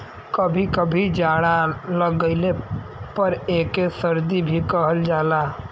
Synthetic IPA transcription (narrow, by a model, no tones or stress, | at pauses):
kəbʱikəbʱid͡ʒaːɽaləɡəɪle | pəɾeːkesəɾd̪ibʱikəɦəld͡ʒaːla